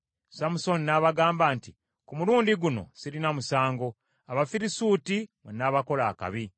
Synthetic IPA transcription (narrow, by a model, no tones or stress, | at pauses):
samuso̞ninaβaɡaːmbaːnti | kumuluːndiɡuno̞̰siɾinamusaːŋɡo̞ | aβafiɾisuːtimwenaβako̞laːka̰βi